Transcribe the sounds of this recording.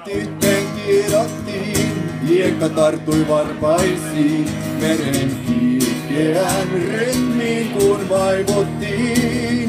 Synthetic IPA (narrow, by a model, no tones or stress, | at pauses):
t̪ːit̪ːeŋkieɾɑst̪i | iekːɑt̪ɑrt̪ːujʋɑrpɑisi | meɾeŋkikeænryh̪miːŋkunʋɑiʋot̪ːi